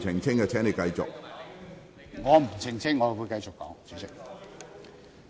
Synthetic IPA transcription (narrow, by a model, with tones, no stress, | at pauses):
t͡sʰɪ˨˩ŋt͡sʰɪ˥ŋkɛː˧t͡sʰɛː˨˥nle˨˩jkɐ˧jt͡sʊ̰˨k̚ | ŋɔː˨˧m̩˨˩t͡sʰɪ˨˩ŋt͡sʰɪ˥ŋːɔː˨˧wuː˨˧jkɐ˧jt͡sʊ˨kːɔ̰ː˨˥ŋt͡sʰyː˨˥sɪ˥k̚